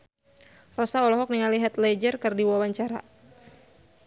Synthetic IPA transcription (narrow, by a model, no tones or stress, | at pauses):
rɔsaɔlɔɦɔk̚niŋaliɦat̪led͡ʒərkɨrdiwawaɲt͡ʃaɾa̰